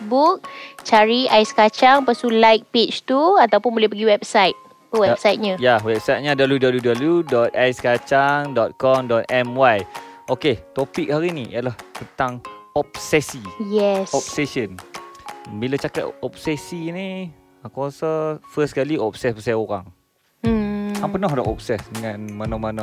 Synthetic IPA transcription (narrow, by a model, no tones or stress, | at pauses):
buk̚t͡ʃaɾiajskat͡ʃaŋpasulajk̚pet͡ʃt̪uat̪awpʊnbolɛhpəɡiwɛp̚sajt̪̚ | əwɛpsajt̪̚ɲajawɛp̚sajt̪̚ɲadabludabljudabljudɔt̪̚ajskat͡ʃaŋdɔt̪̚kɔmdɔt̪̚ɛmwajoket̪opik̚haɾinijalaht̪ənt̪aŋɔp̚sɛsijɛsɔp̚ɛsən | bilət͡ʃakat̪ɔp̚sɛsini | akasəfəskaliɔp̚sɛspəsajoɾa̰ŋ̩ | aŋpənɔɦda̰ʔɔ̰p̚sɛsdəŋãnmanɔ̃manɔ̃